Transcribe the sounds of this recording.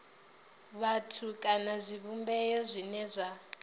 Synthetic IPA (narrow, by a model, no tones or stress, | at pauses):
βatʰukʼanazʷiβumbɛjɔzʷinɛzʷa